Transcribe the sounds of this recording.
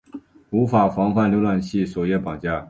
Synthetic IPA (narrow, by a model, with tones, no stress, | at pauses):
u˧˥fa˨˩fɑ˧˥ŋxwa˥˩nljo˥ʊlwa˨˩nɕi˥˩sɔ˨˩jɛ˥˩pɑ˨˩ŋt͡ɕja˥˩